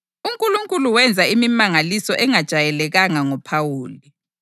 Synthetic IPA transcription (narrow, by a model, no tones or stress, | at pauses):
uŋkʼuluŋkʼuluwɛnd͡zʱaimimaŋalisɔʔɛŋad̥ʒ̥ʱajɛlɛɣaŋaŋɔpʰawuːli